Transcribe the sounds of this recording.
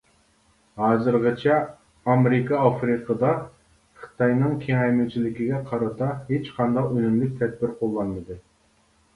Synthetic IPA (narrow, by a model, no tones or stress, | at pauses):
hɑːzɨɾʁɨt͡ʃʰɛː | meɾɪkɑɑfɾɨqʰəd̪ɑ | χɨ̥t̪ʰɑjnɨŋkʲʰeŋɛjmyt͡ʃʰilɪkʲiɡʲɛqʰɑɾɑt̪ɑɦet͡ʃqʰɑnd̪ɑqønymlyk̚ʲt̪ʰɛd̪̚bɪɾqʰolˠːɑnmɨd̪ɨ